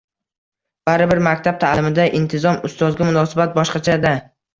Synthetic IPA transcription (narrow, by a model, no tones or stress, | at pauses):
b̥aɾɪbɪɾmakʲt̪ʰab̚t̪ʰaːlɪmɪd̪aʔɪnt̪ʰɪzɒmʊst̪ɒzɡʲɪmʊnɒsɪbat̪̚bɒʃqɑt͡ʃʰad̪a